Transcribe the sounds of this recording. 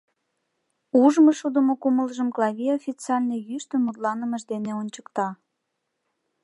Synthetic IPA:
uʒməʃud̪əmokuməlʒəmklˠɑβʲiofʲit͡seɑlʲnejyʃt̪əmːut̪lɑnəməʒd̪eneonʲt͡ɕə̥kt̪ɑ

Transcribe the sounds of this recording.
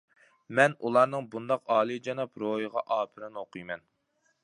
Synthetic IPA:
mɛnulˠɑɾnɨŋbund̪ɑqɑːlˠɨd͡ʒɑnɑpɾojəʁɑʔɑːpʰɨɾɨnoqʰɨjmɛn

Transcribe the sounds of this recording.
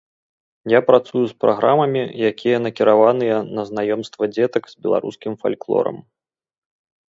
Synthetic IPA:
japɾat̪sujuspɾa̰ɣɾamɐmʲijakʲijɐn̪ɐkʲiɾavanɨjɛnɐznajɔmst̪vɐd͡zʲɛt̪ɐkzʲbʲɛlˠa̰ɾṵskʲimfa̰lʲklˠɔ̰ɾɐ̰m

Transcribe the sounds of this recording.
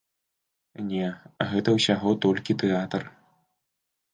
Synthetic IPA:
nʲɛɣɛt̪ɐwsʲaɣɔt̪ɔlʲkʲit̪ɛat̪ɐr

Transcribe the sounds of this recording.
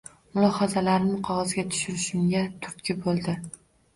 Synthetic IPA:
mʊlˠɒhazalaɾnɪqʰɒʁɒzɡʲat̪ʰʊ̥ʃʊɾɪʃɪmɡʲat̪ʰʊɾt̪kʲʰɪbolˠd̪ɪ

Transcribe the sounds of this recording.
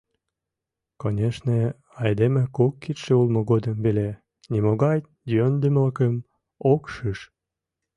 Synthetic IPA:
konʲeʃne | ɑjd̪emĕkokːit̪ʃeulmoɣod̪əmbele | nʲimoɣɑj | d̪ʲønd̪ymləkəm | okʃɨʃ

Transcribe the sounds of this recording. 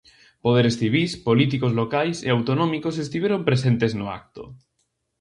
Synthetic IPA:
poð̞eɾesθiβ̞ispolit̪ikozlokajseawt̪onõmikosest̪iβjeɾompɾesent̪eznoa̰k̚t̪o̰

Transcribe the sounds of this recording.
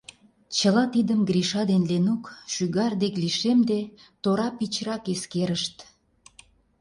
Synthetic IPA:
t͡ɕəlɑt̪id̪əmɡɾiʃɑd̪enlenukʃyɣɑrd̪ekliʃemd̪et̪oɾɑpit͡ɕɾɑkeskeɾəʃt̪

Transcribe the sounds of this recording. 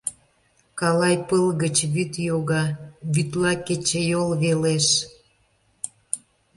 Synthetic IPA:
kɑlɑjpəlɣət͡ɕβyt̪joɣɑβyt̪lɑket͡ɕejolβeleʃ

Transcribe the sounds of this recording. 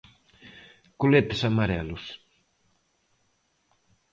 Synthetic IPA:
kulet̪ɪsamaɾɛlʊs

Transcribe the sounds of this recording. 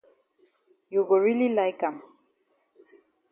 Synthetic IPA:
joɡoɹililajkam

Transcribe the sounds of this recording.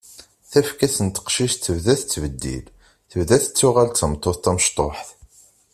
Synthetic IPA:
θæfkæsənt̪ə̥qʃiʃt̪ːəvðæθət͡sːəvəd̪ːḭl | θəvðæθə̥t͡sːʊʁalt͡sːəmt̪ˤːoθt̪æməʃt̪ˤoħθ

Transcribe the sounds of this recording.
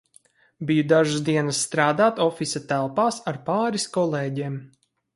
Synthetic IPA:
bijud̪aʒasd̪iɛnasːt̪ɾaːd̪aːt̪ɔfisat̪ælˠpaːsaɾpaːɾiskɔlˠeːɟeːm

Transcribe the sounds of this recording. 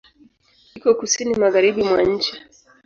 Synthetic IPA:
hikɔkusinimaɣaɾiɓimwaɲ̩t͡ʃi

